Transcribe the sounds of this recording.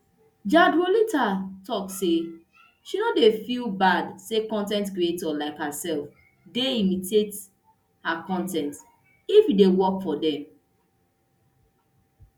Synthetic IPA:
d͡ʒadolitʰatʰɔkse | ʃinodefilbadsekɔ̃ntɛ̃ntkɹietɔlaɪkhasɛlf | deimitʰet | hakɔ̃ntɛ̃nt | ifjidewɔkfɔdɛ̃m

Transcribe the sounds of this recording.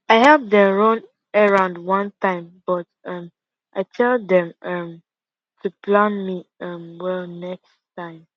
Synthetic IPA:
aɪhɛp̚dɛ̃ɹõn | əɹãʊ̃ndwʌ̃ntãɪ̃mb̥ʌtʌ̃m | ʔaɪtʰɛlˠdɛ̃mʌ̃m | tʰuplãnmiʌ̃mwɛlnɛkstʰãɪ̃m

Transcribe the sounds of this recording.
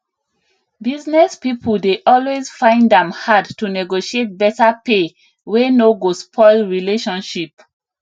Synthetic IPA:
biznɛspipʰuldeʔɔlwezfãɪ̃ndɛ̃mhadtunɛɡoʃiet̚bɛtape | wenoɡospʰɔɪlɹileʃɔ̃nʃip̚

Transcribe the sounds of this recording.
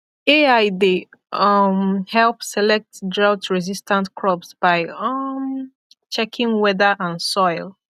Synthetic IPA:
eaɪde | mhɛlpsɛlɛk̚tdɹawtɹɛzistʰə̃ntkʰɹɔpsb̥aɪʌm | t͡ʃɛkʰɪ̃ŋwɛdəʔə̃nsɔɪlˠ

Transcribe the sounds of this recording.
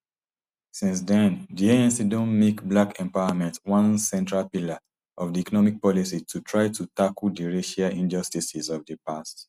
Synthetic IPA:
sĩns̬dɛ̃ndieɛ̃nsidɔ̃nmekblakʰɛ̃mpaɪamɛ̃ntwãnsɛ̃ntɹalpila | ʔɔvdiɛkɔnɔmik̚pɔlisitʰutʰɹaɪtʰutakəldiɹeʃaʔĩnd͡ʒɔstisizɔvdəpast

